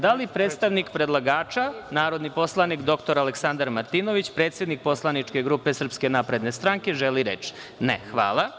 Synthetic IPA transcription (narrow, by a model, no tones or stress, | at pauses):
d̪alipɾeːt̪st̪aʋnikpɾed̪laɡaːt͡ʃanaːɾo̞d̪nipo̞slˠanikd̪o̞kt̪o̞ɾaleksand̪aɾmaɾt̪inoʋit͡ɕpɾe̞ːt̪sjed̪nik̚po̞slˠanit͡ʂke̞ɡɾuːpe̞sr̩pske̞napɾe̞d̪nest̪ɾaŋke̞ʒeliɾet͡ʃ | nexʋa̰ːlˠa